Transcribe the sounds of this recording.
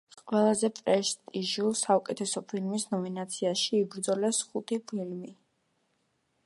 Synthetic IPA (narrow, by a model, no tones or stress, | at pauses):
qʼwɛlˠazɛpʼɾɛst̪ʼiʒusaukʼɛt̪ʰɛsɔpʰilmisnɔminat̪sʰiaʃiːbɾd̪zɔlɛsχut̪ʰipʰilmi